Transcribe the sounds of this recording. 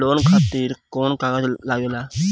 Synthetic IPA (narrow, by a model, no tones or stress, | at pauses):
loːnkʰaːt̪iːɾkoːnkaɡad͡ʒlaːɡjolaː